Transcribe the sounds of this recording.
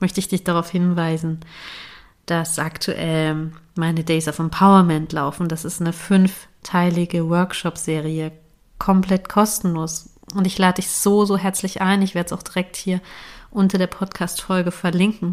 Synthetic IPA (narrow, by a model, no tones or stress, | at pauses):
mœçtəɪçd̥ɪçd̥aʁaʊfhɪnvaɪzn̩ | d̥asʔaktʰuʔɛlmaɪnədɛɪzafɛmpʰaʊɐmɛntʰlaʊfn̩d̥asɪstnəfʏnf | tʰaɪlɪɡəwœɐkʃɔpsz̥eːʁiə | kʰɔmpl̥ɛtkʰɔstn̩loːs | ʔʊntɪçlaːdədɪçz̥oːzoːɦɛɐt͡slɪçʔaɪnɪçv̥eːɐdəsaʊxd̥iʁɛk̚thiːɐʔʊntɐdeːɐpʰɔtkʰaːstfɔlɡəfɛɐlɪŋkŋ̩